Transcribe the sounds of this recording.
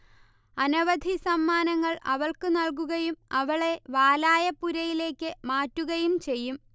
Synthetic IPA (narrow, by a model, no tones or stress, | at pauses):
ɐnɐʋɐd̪ʱisɐmːaːnɐŋːɐɭɐ̰ʋɐɭkɨnɐɭk̬uɣɐjumɐʋɐɭe̞ʋaːlaːjɐpːuɾɐjile̞ːkʲːɨmaːtːuɣɐjumt͡ɕe̞jːum